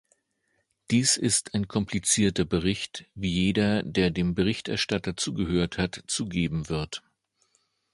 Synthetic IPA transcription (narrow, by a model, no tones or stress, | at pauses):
d̥iːsɪstʰaɪnkʰɔmpʰlit͡siːɐtɐbəʁɪçtviːjeːdɐdeːɐdeːmbəʁɪçtʔɛɐʃtatɐt͡suːɡəhøːɐthatt͡suːɡeːbm̩vɪɐt